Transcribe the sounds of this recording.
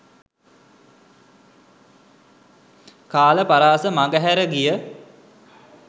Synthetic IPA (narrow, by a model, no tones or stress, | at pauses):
kaːləpaɾaːsəmaɡəɦæɾəɡijə